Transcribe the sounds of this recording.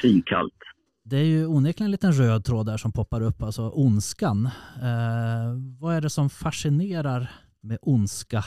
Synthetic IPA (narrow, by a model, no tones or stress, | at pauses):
ɾiːŋkʰa̰lt̪ | d̪ɛæɾjɵuːneklɛnliːt̪ənɾøːd̪̚t̪ʰɾoːd̪æʂɔmpʰɔpːaɾɵpːalsɔʔʊnskan | vaæɖɛsɔmfaʂɪneːɾaɾ | mɛʔʊnska